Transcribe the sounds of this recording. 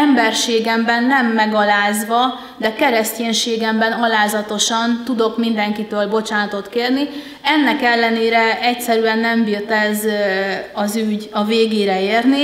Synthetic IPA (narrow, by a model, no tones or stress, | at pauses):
ɛmbɛrʃeːɡɛmbɛnːɛmːɛɡɒlaːzʋɒ | d̪ɛkɛɾɛsceːɲʃeːɡɛmbɛnɒlaːzɒt̪o̞ʃɒnt̪ud̪o̞kmind̪ɛŋkit̪øːlbo̞t͡ʃaːnɒt̪o̞t̪keːrni | ɛnːɛkɛlːɛneːɾɛɛcsɛɾyɛnːɛmbirt̪ɛz | ɒzyɟɒveːɡeːɾɛeːrni